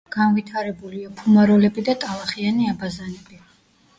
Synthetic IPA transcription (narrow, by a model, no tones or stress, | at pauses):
ɡ̥anvit̪ʰaɾɛbuliapʰumaɾɔlɛbid̪at̪ʼalˠaχianiabazanɛbi